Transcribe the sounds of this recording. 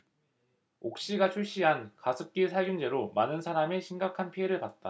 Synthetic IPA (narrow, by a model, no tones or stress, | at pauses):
ok̚ɕ͈iɡat͡ɕʰuɭɕ͈iɦankasʰɯp̚k͈isʰaɭɡund͡ʑe̞ɾomanɯnsʰaɾameɕʰiŋɡakʰanpʰie̞ɾɯɭpat̚t͈a̰